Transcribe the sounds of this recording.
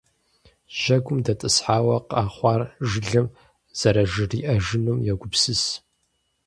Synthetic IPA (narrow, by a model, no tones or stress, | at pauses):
ʒ̥ɐɡʷʊmdɐtʼɨsħaːwɐqɑːχʷɑːrʒɪɮɐm | z̥ɐɾɐʒɨriːʔɐʒɪnumjɛɡʷʊpsɨs